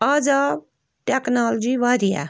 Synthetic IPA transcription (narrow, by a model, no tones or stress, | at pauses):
aːd͡ʒaːb | ʈeknaːld͡ʒiʋaːɾija̰